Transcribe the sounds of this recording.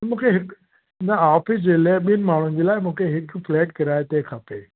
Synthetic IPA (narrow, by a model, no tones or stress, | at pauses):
mũːkʰeɦɪk | naaːfʰɪs̬d͡ʑeːlaɓinmaːɳ̤ũd͡ʑelaːemũːkʰeɦɪkfleːʈkɐɾaːet̪ekʰɐpeː